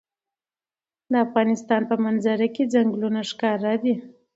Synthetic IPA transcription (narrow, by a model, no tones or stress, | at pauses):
d̪əafɣɑnɪst̪ɑnpəmanzaɾaked͡zaŋɡlunaʂkɑɾad̪i